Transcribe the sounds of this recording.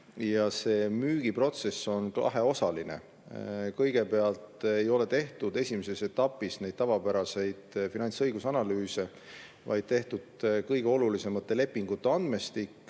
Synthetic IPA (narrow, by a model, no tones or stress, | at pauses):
jɑse̞ːmyːɡ̥ipro̞t̪se̞sːo̞nkɑ̰ɦeo̞sɑline̞̰ | kɤjɡ̥e̞pe̞ɑlt̪ejo̞le̞t̪e̞ht̪ud̪e̞sʲimese̞se̞t̪ːɑpːˑisne̞jd̥̪̚t̪ɑvɑpæɾɑse̞jd̪̥finɑnʲsɤjɡ̥usɑnɑlyːse̞ | vɑ̰jd̪̥̚t̪e̞ht̪ud̪̥kɤjɡ̥e̞o̞lulise̞mɑt̪ːe̞le̞pːiŋɡ̥ut̪ːˑeɑnd̪̥me̞st̪ikːˑ